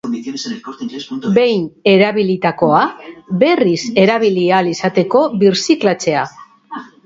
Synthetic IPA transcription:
be̞jne̞ɾaβilit̪ako̞abe̞rise̞ɾaβilialisat̪e̞ko̞βiɾsiklat͡se̞a

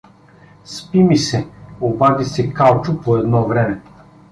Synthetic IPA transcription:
spimisɛobad̪isɛkalˠt͡ʃʊpoɛd̪nɔvɾɛmɛ

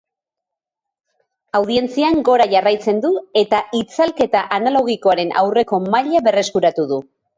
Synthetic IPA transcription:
awð̞ie̞nt͡siaŋɡo̞ɾaʝarajt͡se̞nd̪ue̞t̪aʔit͡salke̞t̪aʔanalo̞ɣ̞iko̞aɾe̞nʔa̰wre̞ko̞maʎaβe̞re̞skuɾat̪uðu

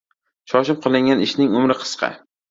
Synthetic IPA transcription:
ʃɒʃɪp̚qʰɨlˠɪŋʲanɪʃnɪŋʊmɾɪqʰɨ̥sqʰɑ̰

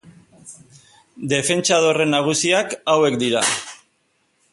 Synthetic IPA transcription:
d̪e̞fe̞nt͡ʃað̞o̞re̞nːaɣ̞usiakawe̞kd̪iɾa̰

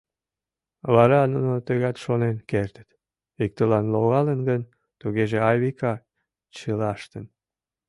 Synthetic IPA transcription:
βɑɾɑnunot̪øɣɑt̪ʃonenkert̪ə̥t̪ | ik̚t̪əlɑnloɣɑlənɡən | t̪uɣeʒeɑjβikɑ | t͡ɕəlɑʃt̪ən

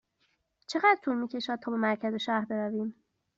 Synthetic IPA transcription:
t͡ʃʰe̞ɣæːd̪ɾt̪ʰuːɾmiːcʰe̞ʃæːd̪̚t̪ʰɒːbe̞mæɾcʰæze̞ʃæːɾbe̞ɾæviːm

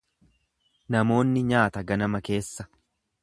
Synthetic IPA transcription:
nɐmo̞ːnːɪɲaːt̪ɐɡɐnɐmɐke̞ːsːɐ̥

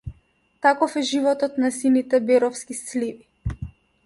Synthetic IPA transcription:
t̪akɔfɛʒivɔt̪ɔt̪nasinit̪ɛbɛɾɔfskislivi

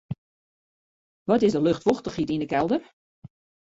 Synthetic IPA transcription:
ʋɔtɪzdəløxtʋoxtəχitindəkɛlˠdər

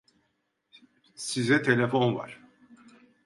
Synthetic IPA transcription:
sizɛt̪ʰe̞lʲe̞fo̞nva̰ɾ̥

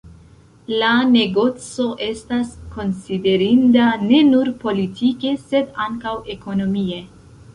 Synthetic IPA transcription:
lane̞ɡo̞t͡so̞ʔe̞stasko̞nside̞ɾindane̞nuɾpo̞litʰike̞se̞daŋkawe̞ko̞no̞mie̞

